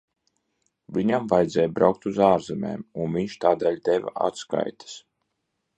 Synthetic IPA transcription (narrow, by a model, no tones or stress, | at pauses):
vʲiɲamvajd̪zɛːjbɾawk̚t̪uzaːɾzɛmḛːmunvʲiɲʃt̪aːd̪eɛlʲd̪ɛva̰a̰t̪ska̰jt̪ʰḁs